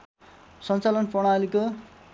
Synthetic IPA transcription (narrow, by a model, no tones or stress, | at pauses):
sʌnt͡salʌnpoɽ̃aliko